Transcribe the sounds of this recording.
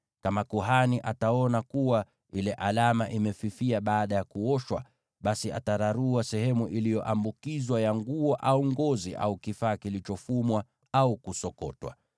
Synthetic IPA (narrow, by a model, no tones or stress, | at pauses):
kamakuɦaniʔataɔnakuwa | ilɛʔalamaʔimɛfifiaɓaːɗajakuɔʃwa̰ | ɓasia̰taɾaɾuasɛhɛmuʔilijɔʔambukizwajaŋɡuɔʔauŋɡɔziʔa̰ukifaːkilit͡ʃɔfumwa | aukusɔkɔ̰twa̰